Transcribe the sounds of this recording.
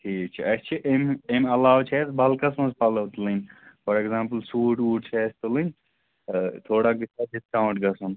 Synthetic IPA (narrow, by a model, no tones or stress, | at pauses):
ʈʰiːk̚t͡ʃʰiɐst͡ʃʰiʔememɐlaːwt͡ʃʰɛːsbʱɐlkɐsmɐzpɐlɐʋt̪lɨnʲfɔɾeɡzaːmpəlsuːʈuːʈ̚t͡ʃʰɛːst̪ulɨnʲ | t̪ʰoːɽaɡisad͡ʒiskãw̃ʈɡɐsɐn